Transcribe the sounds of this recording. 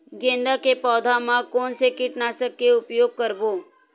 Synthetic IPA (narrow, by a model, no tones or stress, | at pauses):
ɡẽnd̪akepɔːd̪ʱamãkonsekɪʈnaʃəkːeʊpjoɡ̚kəɾbo